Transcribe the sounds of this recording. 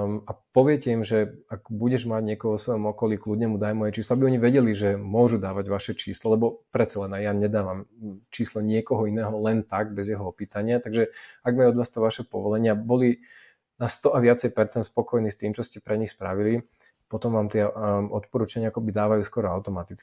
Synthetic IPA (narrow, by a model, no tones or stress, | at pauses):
apɔʋɪɛcɛimʒɛaɡbuɟɛʒmaɟɲɪɛkɔɦɔʋɔsʋɔjɔmɔkɔlikludɲɛmud̪ajmɔjɛt͡ʃiːslɔabiɔɲiʋɛɟɛliʒɛmʊɔʒud̪aːʋaɟʋaʃɛt͡ʃiːslɔlɛbɔpɾɛt̪t͡salɛnajaɲɛd̪aːʋamt͡ʃiːslɔɲɪɛkɔɦɔinɛːɦɔlɛnt̪aɡ̚bɛzjɛɦɔɔpiːt̪aɲɪat̪aɡʒɛaɡmaɔd̪ʋaːst̪ɔʋaʃɛpɔ̰ʋɔlɛɲɪabɔli | nast̪ɔʔaʋɪat͡sɛjpɛɾt͡sɛnt̪spɔkɔjniːst̪iːmt͡ʃɔscɛpɾɛɲixspɾaʋili | pɔt̪ɔmʋaːmt̪ɪɛɔt̪pɔɾut͡ʃaɲɪaakɔbid̪aːʋajuːskɔɾɔaʊt̪ɔmat̪it͡ski